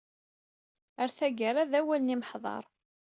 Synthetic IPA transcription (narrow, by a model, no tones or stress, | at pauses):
əɾθæɡəɾˤaðæwæləniməħðˤɑ̰ɾˤ